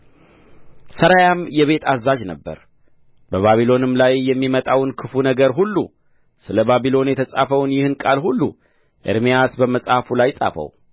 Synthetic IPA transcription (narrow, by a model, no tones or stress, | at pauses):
səɾajamjɛβe̞t̪ʰazːad͡ʒnəbːə̰ɾ | bəβaβilo̞nɨmlajːɛmːimət̪ʼawnkʰɨfunəɡəɾɦulːṵ | sɨləbaβilo̞njɛt̪ʰəsʼafəwnjɪhɨnkʼalhulːu | ʔɨ̰ɾmijasbəməsʼhafulajsʼa̰fə̰w